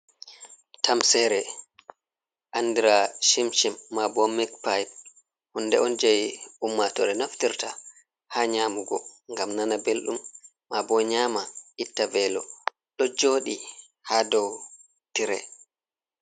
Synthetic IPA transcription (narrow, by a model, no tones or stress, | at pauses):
tamsɛɾɛ | ʔandiɾaʃimʃimːabɔmikpajb̚ | hundɛɔnd͡ʒajumːatɔɾɛnaftiɾta | haːɲaːmuɡɔŋɡamnanabelɗumː | abɔɲaːmaitːavɛːlɔ | ɗɔd͡ʒoːɗi | haːdɔw | tiɾɛ̰